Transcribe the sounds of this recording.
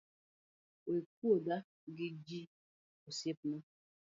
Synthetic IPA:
wek̚uoda | ɡid͡ʒi | osep̚nu

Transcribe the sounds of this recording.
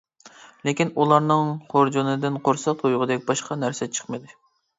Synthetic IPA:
lekʲinulˠɑɾnɨŋχoɾd͡ʒunɨd̪ɪnqʰoɾsɑq̚t̪ʰojʁəd̪ɛkʲbɑʃqʰɑnæɾsɛt͡ʃʰə̥χmɨd̪ɪ

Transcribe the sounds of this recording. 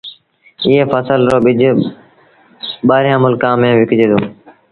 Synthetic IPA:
ɪːeːfəsəlɾoːɓɪd͡ʒʱ | ɓaːɾjãːmʊlkãːmẽːʋɪkd͡ʒeːd̪oː

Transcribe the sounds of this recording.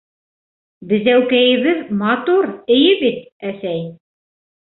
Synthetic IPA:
bɘ̆zæwkæjɘ̆βɘðmɑt̪uɾɘ̆jɘbit̪̚æsæj

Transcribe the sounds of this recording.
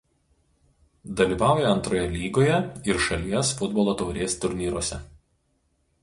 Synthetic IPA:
d̪ɐlʲiːˑʋɑːˑʊjɛɐnt̪ɾoːjɛlʲiːɡoːjɛɪɾʃɐlʲiɛsfʊd̪bɔːlˠoːt̪ɔʊɾʲiɛst̪ʊɾʲnʲiːɾuɔsʲɛ

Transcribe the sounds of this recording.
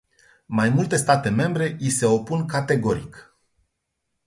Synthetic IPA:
majmult̪e̞st̪at̪e̞me̞mbɾe̞ʔise̞o̞punkat̪e̞ɡo̞ɾḭk

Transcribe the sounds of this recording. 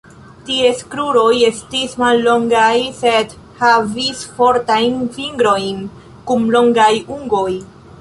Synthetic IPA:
tie̞skɾuɾo̞je̞stismalːo̞ŋɡajse̞d | havisfo̞ɾtajnfiŋɡɾo̞jn | kumlo̞ŋɡajuŋɡo̞j

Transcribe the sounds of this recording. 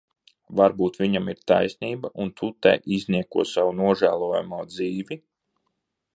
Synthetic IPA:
vaɾbuːt̪vʲiɲamiɾt̪a̰jsʲniːbaʔunt̪ʰut̪ɛ̰ʔizʲniɛkuɔsawunuɔʒæːlˠuɔja̰muɔd̪ziːvi

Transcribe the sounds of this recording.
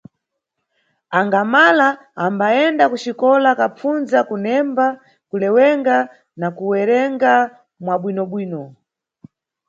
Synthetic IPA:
aŋɡamalaː | mbaɛndakut͡ʃikɔlakap͡funzakunɛmba | kulɛwɛŋɡa | nakuwɛɾɛŋɡa | mwaɓwinɔɓwiːnɔ

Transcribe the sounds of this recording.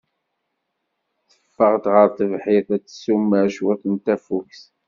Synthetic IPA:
θə̥fːəʁt̪ʁəɾt̪ˤəvħɪðæt͡sːə̥sumːəʃwæθənt̪æfuks

